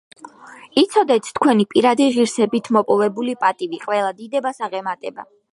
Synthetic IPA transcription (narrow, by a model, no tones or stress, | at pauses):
it̪sʰɔd̪ɛt̪ʰt̪ʰkʰwɛnipʼiɾad̪iʁiɾsɛbit̪ʰmɔpʼɔvɛbulipʼat̪ʼiviqʼwɛlˠad̪id̪ɛbasaʁɛmat̪ʼɛba̰